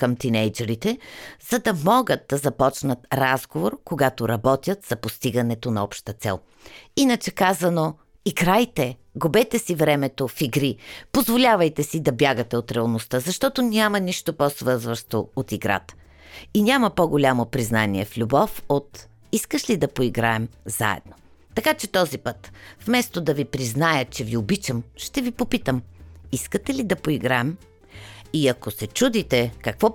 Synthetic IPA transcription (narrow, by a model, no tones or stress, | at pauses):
kəmt̪inɛjd͡ʒɛɾit̪ɛz̥ɐd̪ɐmɔɡət̪̚d̪ɐzɐpɔt͡ʃnət̪ɾazɡovoɾkoɡat̪oɾɐbɔt̪ʲjət̪z̥ɐpost̪iɡɐnɛt̪onɐɔpʃt̪ət̪sɛ̰lˠ | inət͡ʃɛkazɐno | iɡɾajt̪ɛɡʊbɛt̪ɛsivɾɛmɛt̪ofiɡɾipozvolʲavɐjt̪ɛsid̪ɐbjaɡət̪ɛot̪ɾɛɐlˠnost̪əzɐʃt̪ɔt̪onʲamɐniʃt̪oposvɤɾzvəʃt̪oot̪iɡɾa̰t̪ə̥ | inʲaməpoɡolʲamopɾiznaniɛflʲubɔfot̪ | iskəʃlid̪ɐpoiɡɾaɛmza̰ɛ̰d̪no | t̪ɐkat͡ʃɛt̪ɔzipɤt̪fmɛst̪od̪ɐvipɾiznajət͡ʃɛviobit͡ʃəmʃt̪ɛvipopit̪əmiskət̪ɛlid̪ɐpoiɡɾaɛm | iɐkosɛt͡ʃud̪it̪ɛkɐkvɔ